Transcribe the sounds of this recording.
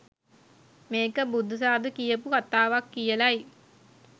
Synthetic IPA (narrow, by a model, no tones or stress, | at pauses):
meːkəbud̪ːus̬aːd̪ukijəpukat̪aːʋakːijəlɐj